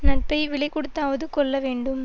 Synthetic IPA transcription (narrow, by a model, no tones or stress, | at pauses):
nɐʈ̚pɐɪʋɪɭɐɪkɔɽɯt̪ːaːʋɐðɯkɔɭːɐʋeːɳɖɯm